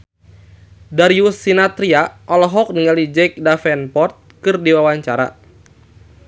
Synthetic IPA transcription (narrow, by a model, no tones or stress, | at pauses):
daɾiusinat̪ɾiaʔɔlɔɦɔk̚niŋalid͡ʒɛk̚dafɛnpɔrt̪̚kɨrdiwawaɲt͡ʃaɾa̰